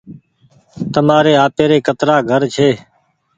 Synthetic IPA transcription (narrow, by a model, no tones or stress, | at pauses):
t̪əmaːɾeːaːpeːɾeːkət̪ɾaːɡʱəɾt͡ʃʰeː